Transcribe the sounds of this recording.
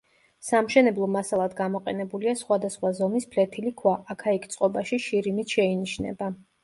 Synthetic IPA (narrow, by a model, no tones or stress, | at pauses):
samʃɛnɛblˠɔmasalˠad̪ɡamɔqʼɛnɛbuliasχwad̪asχwazɔmispʰlɛt̪ʰilikʰwaʔːkʰaikʰt̪sʼqʼɔbaʃiʃiɾimit̪ʰʃɛiniʃnɛ̰ba